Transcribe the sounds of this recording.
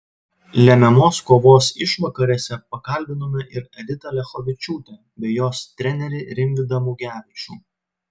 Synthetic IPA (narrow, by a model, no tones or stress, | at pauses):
lʲɛmʲɛmoːskoːʋoːsɪʃʋɐkɐɾʲeːsʲɛpɐkɐlʲbʲɪnoːmʲɛʔɪɾɛd̪ʲɪt̪ɐlʲɛxoʋʲɪt͡ʃʲuːt̪ʲɛ | bʲɛjoːst̪ʲɾʲɛnʲɛɾʲɛɾʲɪŋʲɡd̪ɐmuːɡʲæːʋʲɪt͡ʃʲṵː